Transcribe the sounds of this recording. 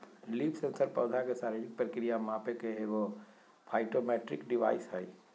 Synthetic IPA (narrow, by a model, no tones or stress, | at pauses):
liːpʰsẽnsəɾpɔːd̪ʱakesaːɾed͡ʒɪk̚pɾəkɾijamãːpekeɦeʋo | pʰaːɪʈomɛːʈɾɪkɖɪʋa̰ːɪsɦɛi